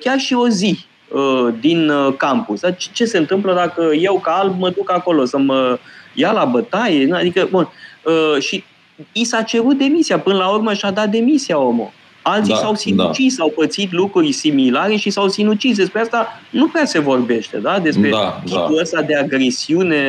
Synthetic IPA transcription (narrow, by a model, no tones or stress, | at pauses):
kʲarʃio̞zi | əd̪inkampusd̪at͡ʃt͡ʃe̞se̞ɨnt̪ɨmpləd̪akəje̞wkaalb̚məd̪ukako̞lo̞səməjalabət̪ajead̪ikəbunəʃi | isat͡ʃe̞ɾut̪̚d̪e̞misiapɨnəlaurməʃad̪at̪̚d̪e̞misiao̞mo̰ | alt̪isawsiut͡ʃissawpət̪sit̪̬lukɾuɾjsimilaɾe̞ʃisawsinut͡ʃis̬d̪e̞spɾeast̪anupɾease̞vo̞rbe̞ʃt̪e̞̰d̪ad̪e̞spɾekʲiuəst̪ad̪e̞aɡɾe̞siune̞